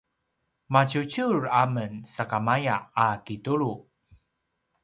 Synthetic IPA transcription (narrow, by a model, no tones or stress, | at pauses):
macut͡ɕuɹamənsakamajaːkituɾu